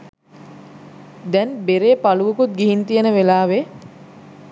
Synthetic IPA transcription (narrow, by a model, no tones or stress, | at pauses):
d̪ɛnbeɾeːpaluʋəkut̪̚ɡiɦint̪ijənəʋelaːʋe